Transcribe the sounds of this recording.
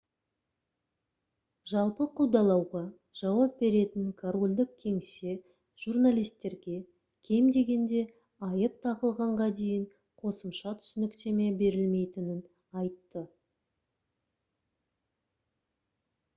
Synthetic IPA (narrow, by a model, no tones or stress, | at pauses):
ʒɑlˠpəqʰuwd̪ɑlˠɑwʁɑ | ʒ̥ɑwɑp̚be̞ɾe̞t̪ɪŋkʰaɾolʲd̪ɪkkʲʰe̞ŋse̞ | ʒ̥urnalʲijst̪ːe̞ɾɡʲe̞ | kʲʰe̞md̪e̞ɡʲe̞nd̪e̞ | ɑjəp̚t̪ʰɑʁəlˠʁɑɴʁɑd̪e̞jɪŋ | qʰo̞səmʃɑt̪ʰʏ̥sɪnɪkt̪e̞me̞be̞ɾɪlme̞jt̪ɪnɪn | ɑjt̪ːə